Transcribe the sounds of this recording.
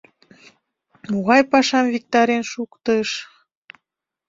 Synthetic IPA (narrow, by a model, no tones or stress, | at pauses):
muɣɑjpɑʃɑmvʲik̚t̪ɑɾenʃukt̪əʃ